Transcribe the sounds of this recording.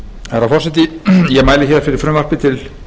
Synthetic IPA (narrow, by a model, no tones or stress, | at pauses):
ɛɾawfɔr̥sɛt̪ɪjɛɣmaːjlɪçjɛɾfɪɾɪɾ̥fɾʏmar̥pɪt̪ʰɪl